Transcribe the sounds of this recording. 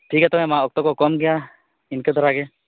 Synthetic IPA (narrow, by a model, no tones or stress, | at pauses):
ʈʰiːkɦɛt̪ɔmɛ̃mãɔk̚t̪ɔkɔkɔmɡɛja | ɪnked̪ʱɔɾaɡe